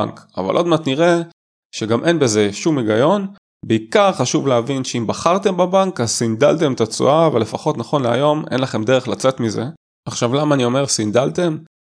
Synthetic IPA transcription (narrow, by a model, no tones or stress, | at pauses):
ŋka̰va̰lʔo̞d̪mat̪niʁe̞ | ʃeɡamʔe̞nbe̞zeʃumiɡajo̞n | beikaʁχaʃuvleavinʃeimbaχaʁt̪e̞mbabaŋkazsind̪alt̪e̞mt̪at͡sṵʔavele̞faχo̞t̪naχo̞nleajo̞mḛnlaχe̞md̪eʁeχlat͡se̞t̪mize̞̰ | aχʃavlamaːnio̞me̞ʁsind̪alt̪e̞m